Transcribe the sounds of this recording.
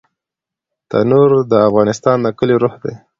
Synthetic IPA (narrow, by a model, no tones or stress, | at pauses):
t̪a̰nuɾd̪əafɣɑnɪst̪ɑnd̪əkəleɾoxd̪e